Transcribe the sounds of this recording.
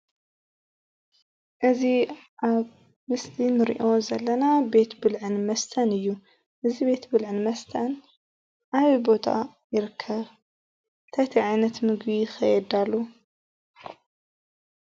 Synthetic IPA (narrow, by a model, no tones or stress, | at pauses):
ʔɨziʔaβ | mɨslinɨɾḭʔo̞zɐlːɐnabe̞t̪bɨlʕɨnmɐst̪ʰɐnɨjːu | ʔɨzibe̞t̪bɨlʕɨnmɐst̪ʰɐn | ʔaβibo̞t̪ʰa̰ | jɪɾɨkʰːɐβ | ɨnt̪ʰajt̪ʰiʕajnɐt̪mɨɡbijɪxɐjɛd̪alːu